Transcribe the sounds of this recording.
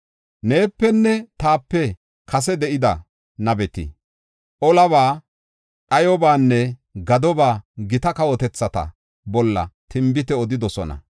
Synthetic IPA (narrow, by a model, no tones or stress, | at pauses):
ne̞ːpːɛnːɛt̪aːpːɛ | kʰɐs̬ɛd̪ɛʔɪd̪ɐ | nɐbɛt̪ɪ̰ | ʔɔlɐβaː | ᶑɐjɔbaːnːɛɡɐd̪ɔbaːɡɪt̪ɐkɐwɔt̪ɛt͡sːɐt̪ɐ̰ | bɔlːɐ̰t̪ɪmbɪt̪ɛɔd̪ɪd̪ɔsɔnɐ̰